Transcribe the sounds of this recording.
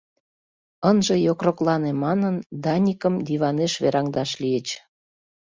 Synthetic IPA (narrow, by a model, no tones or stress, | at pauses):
ənʒĕjokroklɑnemɑnənd̪ɑnʲikəmd̪iβɑneʃβeɾɑŋd̪ɑʃlijet͡ɕ